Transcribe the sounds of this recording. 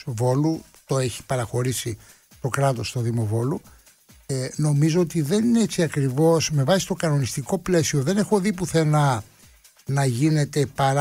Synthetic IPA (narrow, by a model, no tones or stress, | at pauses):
vo̞lu | t̪o̞e̞çi̥pɐɾɐxo̞ɾisi | t̪o̞kɾɐt̪o̞st̪o̞ðimo̞vo̞lu | no̞mizo̞ot̪iðe̞nineet͡siɐkɾivo̞sme̞vɐsist̪o̞kɐno̞nist̪iko̞ple̞sio̞ðe̞ne̞xo̞ðipuθe̞nɐ | nɐʝine̞t̪e̞pɐɾ